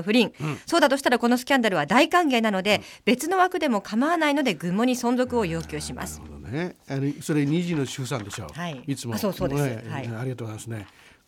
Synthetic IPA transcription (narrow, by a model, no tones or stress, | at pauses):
ɸɯ̟ɾʲĩsoːd̪at̪o̞ɕi̥t̪aɾako̞no̞sɨ̥kʲãnd̪aɾɯ̟βad̪aikãŋɡe̞ːnano̞d̪e̞ | b̥e̞t͡sɨno̞βakɯ̟d̪e̞mo̞kʰamaβanaino̞d̪e̞ɡɯ̟̃mːo̞ɲ̟isõ̞nzo̞kɯ̟o̞jo̞ːkʲɨːɕima̰sɨ̥̰neanosoɾeɲiʑinoɕɨs̬ãnd̪e̞ɕo̰ːhaiit͡sɨmosoːsoːd̪sehaiaɾʲiɡat̪oːɣzajmasne